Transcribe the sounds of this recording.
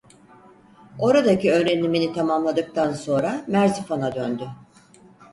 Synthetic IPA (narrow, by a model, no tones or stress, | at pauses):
o̞ɾad̪aciø̞ːɾeniminit̪ʰamamlˠad̪ɯk̚t̪ʰanso̞nɾamæɾzifanad̪ønd̪y